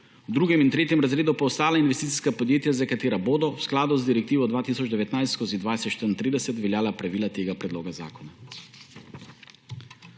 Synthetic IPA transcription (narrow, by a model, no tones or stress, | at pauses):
d̪ɾuɡɛmint̪ɾɛt̪jɛmɾazɾed̪ɔpɔːst̪alainvɛst̪it̪i̥skapod̪jet̪jazakat̪eɾabod̪ɔwsklad̪uzd̪iɾɛk̚t̪ivɔd̪vat̪isɔt͡ʃd̪ɛʋɛt̪najskozid̪vajɛsɛt̪ʃt̪ənt̪ɾid̪ɛsɛt̪vɛljalapɾavilat̪eɡapɾɛd̪loɡaza̰kɔna